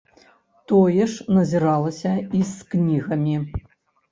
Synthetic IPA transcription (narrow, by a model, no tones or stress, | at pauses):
t̪ɔjɛʂnɐzʲɛɾalˠɐsʲɐisknʲiɣɐmʲi